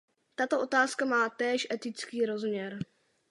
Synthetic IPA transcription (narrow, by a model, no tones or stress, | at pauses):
t̪at̪oʔo̞t̪aːskamaːt̪ɛːʃʔɛt̪ɪt͡skiːɾo̞zmɲɛɾ